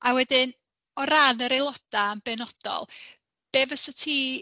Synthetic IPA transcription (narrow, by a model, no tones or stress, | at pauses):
awɛdɪn | ɔɾanəɾelˠɔd̥aəmbɛnɔd̥ɔ̰lˠ | b̥eːvəsɔtʰiː